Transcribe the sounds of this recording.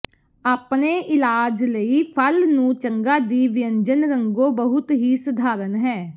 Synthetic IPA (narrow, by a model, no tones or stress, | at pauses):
aːpneːʔɪlaːd͡ʒləiːpʰəlnũːt͡ʃəŋɡaːd̪iːʋɪəɲd͡ʒənɾəŋɡoːbəɦʊt̪ɦiːsəd̪ʱaːɾənɦɛː